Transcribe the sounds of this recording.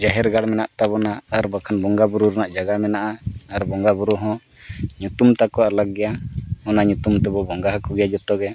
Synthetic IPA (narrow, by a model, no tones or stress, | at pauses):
d͡ʒaɦɛɾɡaɽmɛnaʔt̪abɔnaːɾbakʰanbɔŋɡabuɾuɾɛnaʔd͡ʒaɡamɛnaʔaːɾbɔŋɡabuɾuɦɔ̃ | ɲut̪umt̪akɔalaɡɛjaɔnaɲut̪umt̪ɛbɔbɔŋɡaɦakɔɡɛjad͡ʒɔt̪ɔɡɛ